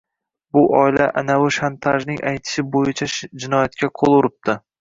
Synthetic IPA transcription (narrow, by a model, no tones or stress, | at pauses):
bʊʔɒɪlaʔa̰nawɪʃant̪ʰaʒnɪŋʔajt̪ʰɪ̥ʃɪbojɪt͡ʃʰad͡ʒɪnɒjat̪̚kʲʰaqʰolˠʊɾɪp̚t̪ɪ